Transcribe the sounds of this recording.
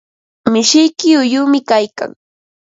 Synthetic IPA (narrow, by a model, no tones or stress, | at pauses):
mɪʃɪjkɪʊjʊːmɪkajka̰ŋ